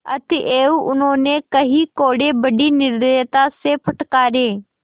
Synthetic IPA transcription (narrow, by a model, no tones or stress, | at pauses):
ə̰t̪ʰɪʔeːuːʔʊnɦoːneːkəɦiːkoːɽeːbəɖiːnɪɾd̪eːt̪aːseːpʰəʈkaːɾeː